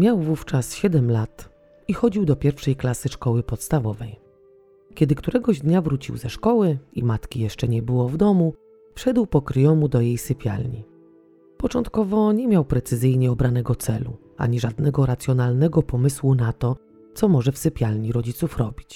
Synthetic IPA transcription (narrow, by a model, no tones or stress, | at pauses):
mʲjawvuft͡ʂasɕɛd̪ɛmlat̪ | ixɔd͡ʑiwd̪ɔpʲjɛɾfʂɛjklasɘʂkɔwɘpɔt̪st̪avɔvɛj | kʲɛd̪ɘkt̪uɾɛɡɔʑd̪ɲavɾut͡ɕḭwzɛʂkɔwɘimat̪kʲijɛʂt͡ʂɛɲɛbɘwɔvd̪ɔmu | fʂɛd̪wpɔkɾjɔmud̪ɔjejsɘpʲja̰lɲḭ | pɔt͡ʂɔnt̪kɔvɔɲɛmʲjawpɾɛt̪sɘzɘjɲɛɔbɾanɛɡɔt̪sɛlṵ | a̰ɲiʐad̪nɛɡɔɾat̪sʲjɔnalnɛɡɔpɔmɘswunat̪ɔ | t̪sɔmɔʐɛfsɘpʲjalɲiɾɔd͡ʑit̪sufɾɔbʲit͡ɕ